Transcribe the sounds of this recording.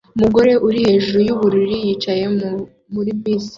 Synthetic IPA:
umuɡo̞ɾe̞ʔuɾihe̞ʒuɾujuβuɾiɾijit͡ʃaje̞ | muɾibwiːzi̥

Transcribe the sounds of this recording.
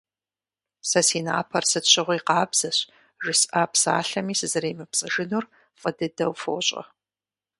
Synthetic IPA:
sɐsiːna̰ːpʰɐrsɨtɕʷɪʁʷiqɑːbz̥ɐɕ | ʒɪsaːpʰsa̰ːɬɐmiːsɨzɨrejmɨpt͡sʼɨʒɨnur | fʼədɨdɐwfo̰ːɕʼɐ̰

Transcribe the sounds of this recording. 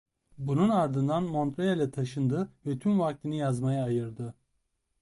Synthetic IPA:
bununaɾd̪ɯnd̪anmo̞nt̪ɾejalʲɛt̪ʰaʃɯnd̪ɯvɛt̪ʰymvak̚t̪ʰinijazmajaːjɯɾd̪ɯ

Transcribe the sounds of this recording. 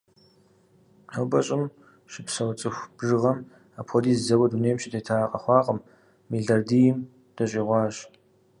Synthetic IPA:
ɐwbɐɕʼɪm | ʃɪpsɐwt͡sʼɨxʷb̥ʐɨʁɐm | apʰxʷɔdiːzzɐwɐduneːmʃitʰetʰaːqʼɐ̰χʷɑːqʼəmː | iɮɐrdijɪm | d̥ɐɕʼiːʁʷɑːɕ

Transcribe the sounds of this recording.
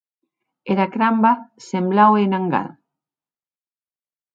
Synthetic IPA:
eɾakɾambasemblawenãŋɡa̰ð

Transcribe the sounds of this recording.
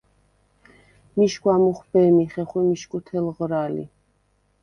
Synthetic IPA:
miʃkwamuχbɛmiχɛχwɛmiʃkʼut̪ʰɛlʁɾalḭ

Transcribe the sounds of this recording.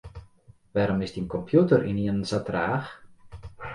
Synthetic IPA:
ʋaɾɔmɪsdiənkɔmpʰjutərḭniənsatraːx

